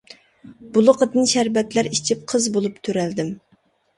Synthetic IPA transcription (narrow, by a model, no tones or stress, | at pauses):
bulˠʊqʰəd̪ɨnʃæɾbɛt̪læɾit͡ʃʰip̚qʰəzbolˠupt̪ʰøɾæld̪ɪm